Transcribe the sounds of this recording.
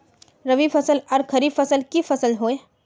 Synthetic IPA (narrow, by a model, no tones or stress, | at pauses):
ɾəʋipʰɐsəlɐɾkʰɐɾifɐsəlkifʰɐsəlɦoːe